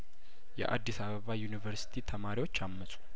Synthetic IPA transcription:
jɛ̰ʔa̰d̪ːisaβəβajunivəɾsi̥t̪ʰit̪ʰəmaɾiwot͡ʃːamːəsʼu̥

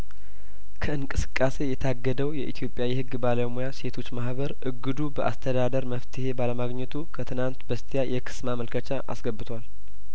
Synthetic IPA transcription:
kʰəɨnkʼɨsɨ̥kʼːase̞jɛt̪ʰaɡːəd̪əwjɛʔit̪ʰijo̞pʼːjawihɨɡːbaləmujase̞t̪ʰo̞t͡ʃːmahβəɾʔɨɡːɨd̪ubəʔa̰st̪ʰəd̪ad̪əɾməft̪ʰɨhe̞baləmaɡɲːɛt̪ʰukʰət̪ʰɨnant̪bəst̪ʰijajʔɛkʰɨ̥smaməlkʰət͡ʃaʔa̰sɡəbːɨt̪ʰwal

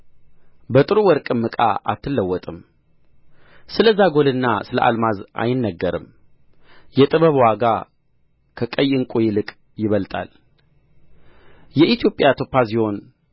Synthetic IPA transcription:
bət̪ʼɨɾuwɔɾkʼɨmːɨkʼa̰ʔa̰t̪ʰːɨlːəwːɔt̪ʼɨm | sɨləzaɡo̞lɨnːasɨlə̰ʔa̰lmazʔa̰jɪnːəɡːəɾɨ̰m | jɛt̪ʼɨβəβwaɡa | kʰəkʼəjɪŋkʼujɪlɨkʼ | jɪβəlt̪ʼa̰l | jɛʔit̪ʰjo̞pʼjat̪ʰo̞pːas̬iho̞n

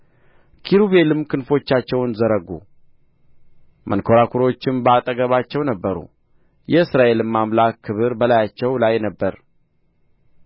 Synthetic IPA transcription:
kʰiɾuβe̞lɨmkʰɨnfo̞t͡ʃːat͡ʃːɛwnzəɾəɡṵ | mʔə̰nkʰo̞ɾakʰuɾo̞t͡ʃːɪmbəat̪ʼəɡəβat͡ʃːɛwnəbːəɾṵ | jɛɨsɾaʔe̞lɨmːamlakʰːɨβɨɾbəlajat͡ʃːɛwlajnəbːəɾ

